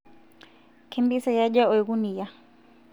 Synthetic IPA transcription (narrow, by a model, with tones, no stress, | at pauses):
kʰɛmbi˦saja˦ʄa˦ɔ˨jɣuni˨ja˦